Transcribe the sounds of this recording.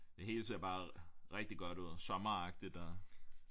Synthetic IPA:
d̥e̝ɦe̝̰ːləsʰe̝ɐb̥ɑ̈ːʁeɡ̥̚d̥iɡ̥ɒ̽d̥uð̞̰ˠsɒ̽mɐɑ̈ɡ̥̚d̥id̥æ

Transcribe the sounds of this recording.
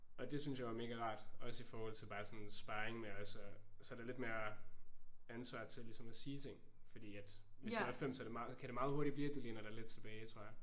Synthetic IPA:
ʔɒ̽d̥e̝synsjɑ̈ɪʋɑ̈me̝ːɡ̥æʁɑ̰̈ːd̥ɒ̽səifɒːhɒl̰t͡sʰe̝lb̥ɑ̈ːsɒ̽nsb̥ɑ̈ːeŋmeɒsɒsɒhæd̥eɪle̝d̥me̝ːɐ | ænsʋɑ̰̈ːt͡sʰelisɒ̽mæsiːt͡sʰe̝ŋ̰ | fɒd̥ḭːæd̥ʋesduæfem̰sɒd̥e̝mɑ̈kʰæɾ̥e̝mɑ̈ːð̩ˠo̝ɐɾ̥ib̥liːd̥ule̝ːnɐɾ̥ɑ̈ɪle̝d̥̚t͡sʰe̝b̥ɛːɪt͡sʰʁo̝ɐ̰jɑ

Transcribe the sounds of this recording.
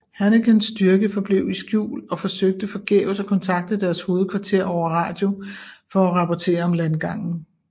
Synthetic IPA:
hæneɡ̥ensːd̥yɐɡ̥əfɒ̽b̥le̝ʊisɡ̥jṵːlɒ̽fɒ̽søɡ̥̚d̥əfɒ̽ɡ̥ḛʊsɒ̽kʰɒ̽nt͡sʰɑ̈ɡ̥̚d̥əd̥æɐsho̝ːð̞̩ˠkʰʋɑ̈t͡sʰe̝ɐ̰ɒʊ̰ɐʁɑ̰̈ːd̥jo̝fɒ̽ːʁɑ̈pʰɒt͡sʰe̝̰ːɐɒ̽mlænɡ̥ɑ̈ŋ̰n̩

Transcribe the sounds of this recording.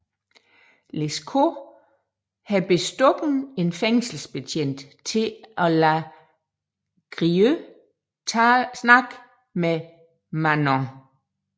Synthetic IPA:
leskʰo | hæb̥e̝sd̥ɔɡ̥n̩e̝nfeŋ̰sl̩sb̥et͡sʰen̰d̥ | t͡sʰe̝ʔɒ̽læ | ɡ̥ʁiø | snɑ̈ɡ̥ | me | mænɒ̃

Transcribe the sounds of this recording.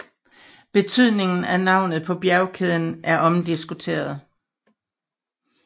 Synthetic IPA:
b̥e̝t͡sʰyð̞̰ˠne̝ŋn̩ænɑ̈ʊ̰nð̩ˠpʰɒ̽b̥jæɐʊkʰeðˠn̩ʔæɐʔɒ̽md̥isɡ̥ut͡sʰe̝̰ːɐðˠ

